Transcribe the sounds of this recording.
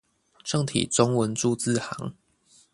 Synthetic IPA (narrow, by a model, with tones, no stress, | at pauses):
ʈ͡ʂɤ˥˧ŋt̪ʰḭ˨˩ʈ͡ʂɔ˦ŋwə˨˦nʈ͡ʂu˥˧t͡s̩˥˨ha˨˦ŋ